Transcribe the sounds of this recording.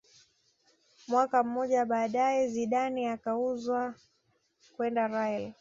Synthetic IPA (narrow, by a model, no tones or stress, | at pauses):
mwakam̩mɔʄaɓaːɗaɛziɗaniakauzwa | kwɛndaɾajɛl